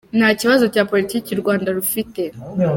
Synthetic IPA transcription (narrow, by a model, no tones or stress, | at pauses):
nhaːciβazo̞caːpo̞litiːciɾɡwaːndaɾufite̞